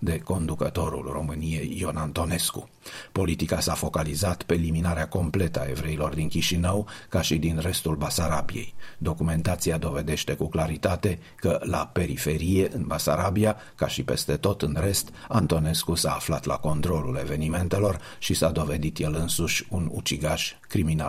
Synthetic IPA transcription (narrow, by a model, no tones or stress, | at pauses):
d̪e̞ko̞nd̪ukət̪o̞ɾṵlro̞̰mɨnije̞jːonant̪o̞ne̞skṵ | po̞lit̪ikasafo̞kalizat̪pe̞ːliminaɾeako̞mple̞t̪əa̰e̞vɾe̞ilo̞rd̪inkʲiʃinəwkaʃid̪inre̞st̪ulbasaɾabijḛjd̪o̞kume̞nt̪at̪siad̪o̞ve̞d̪e̞ʃt̪e̞kuklaɾit̪at̪e̞ | kəla̰pe̞ɾife̞ɾije̞ʔɨnbasaɾabia | kaʃipe̞̰st̪e̞t̪o̞t̪ɨnre̞st̪ant̪o̞ne̞skusaːflat̪la̰ko̞nt̪ɾo̞lule̞ve̞nime̞nt̪e̞lo̞r | ʃisad̪o̞ve̞d̪it̪jelɨnsuʃʲunṵt͡ʃiɡaʃ | kɾimina̰l